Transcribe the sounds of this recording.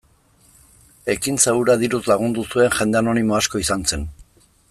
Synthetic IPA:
e̞kinseuɾaðiɾuzlaɣ̞und̪usue̞nʝe̞nd̪eano̞nimo̞asko̞isant͡se̞n

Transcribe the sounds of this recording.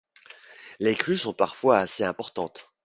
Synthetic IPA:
lekχysɔ̃paʁfwaːseɛ̃pɔʁt̪ɑ̃t̪

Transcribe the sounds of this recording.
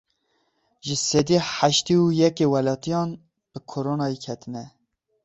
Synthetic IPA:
ʒɪsɛd̪iːħaʃt̪iujɛkewɛlɑːt̪ijɑːn | b̥ɨkʰoɾonɑikʰɛt̪ʰɨnɛ

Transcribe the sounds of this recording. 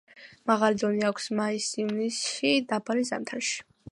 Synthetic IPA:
maʁalid̪ɔniakʷʰsmaisivnisʃid̪abalizamt̪ʰaɾʃi̥

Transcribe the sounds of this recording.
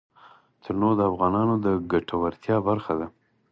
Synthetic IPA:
t̪ʰəɾnod̪əafɣɑnɑnod̪əɡaʈʰawaɾt̪jɑbaɾxad̪a

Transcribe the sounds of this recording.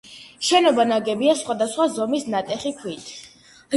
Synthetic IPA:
ʃɛnɔbanaɡɛbiasχwad̪asχwazɔmisnat̪ʼɛχikʰwit̪ʰ

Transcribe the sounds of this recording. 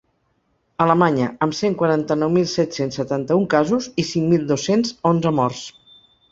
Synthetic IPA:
ələmaɲəəmseŋkwaɾant̪ənɔwmilˠsɛt̪sensːət̪ant̪əuŋkazuzisiŋmilˠd̪osenzonzəmɔrs

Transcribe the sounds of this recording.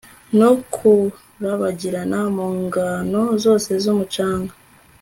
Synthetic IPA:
nokʰu | ɾaβaɟiɾanamoːŋɡano̞zo̞ːse̞zumut͡ʃaːŋɡa

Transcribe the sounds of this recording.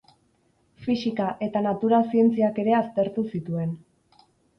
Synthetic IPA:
fisikaʔe̞t̪anat̪uɾasie̞nt͡siake̞ɾe̞ast̪e̞ɾt̪usit̪ue̞n

